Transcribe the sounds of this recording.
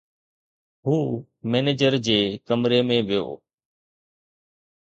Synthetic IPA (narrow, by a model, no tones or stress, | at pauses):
ɦuː | meːneːd͡ʑəɾd͡ʑeːkəmɾemẽʋɪjo̰ː